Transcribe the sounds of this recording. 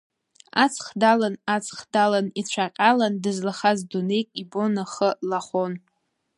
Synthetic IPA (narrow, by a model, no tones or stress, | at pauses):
at͡sʰʼχdalanat͡sʰʼχdalanit͡ɕʷʰaqʲʼalandɨzlaχazdune̞jkʼibo̞naχəlaχon